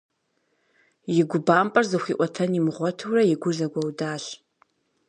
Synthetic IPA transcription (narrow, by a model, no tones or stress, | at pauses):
jɪɡʷʊbaːmpʼɐrzɨχʷiːʔʷɔtʰɐnimʁʷɔtʰɨwrɐjɪɡʷʊʒɐɡʷɔwdaːɕ